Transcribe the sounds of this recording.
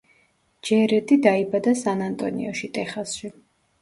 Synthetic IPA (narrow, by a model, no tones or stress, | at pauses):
d͡ʒɛɾɛt̪ʼid̪aibad̪asanant̪ʼɔ̰nḭɔʃit̪ʼɛχasʃi